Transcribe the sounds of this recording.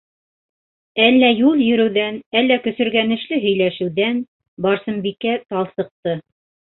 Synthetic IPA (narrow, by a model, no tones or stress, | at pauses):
ælːæjulˠjɵ̆ɾɘ̆wðænælːækɵ̆sɵ̆ɾɡænɘ̆ʃlɘɦɵ̆jlæʃɘ̆wðæn | bɑɾsɤ̆mbikæt̪ɑlˠsɤ̆q̚t̪ɤ